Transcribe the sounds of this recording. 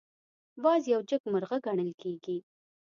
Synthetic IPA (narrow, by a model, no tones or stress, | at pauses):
wɑzjawd͡ʒəkmʊɾɣaɡaɳəlkʰeɡi